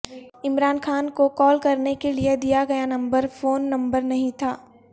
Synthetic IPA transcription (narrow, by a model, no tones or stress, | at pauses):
ɪmɾaːnxʰaːnkokɔːlkɐɾnekelied̪ijaɡɐjanɐ̃mbəɾfoːnːɐ̃mbəɾnɐɦĩt̪ʰaː